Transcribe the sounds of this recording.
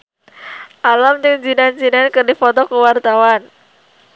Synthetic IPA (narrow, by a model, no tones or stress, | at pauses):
ʔalamdəŋd͡ʒinand͡ʒinankɨrdifɔt̪ɔkəwart̪awan